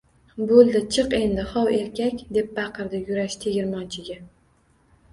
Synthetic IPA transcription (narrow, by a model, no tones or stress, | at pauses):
bolˠd̪ɪt͡ʃʰɨqe̞nd̪ɪχɒwe̞ɾkʲʰakʲd̪e̞p̚bɑqɨɾd̪ɪjʊɾaʃt̪ʰe̞ɡʲɪɾmɒnt͡ʃʰɪɡʲa